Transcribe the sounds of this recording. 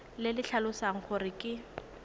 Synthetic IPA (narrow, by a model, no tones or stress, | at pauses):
lɪlɪɬʰalʊsaŋ̩χʊrɪkʼɪ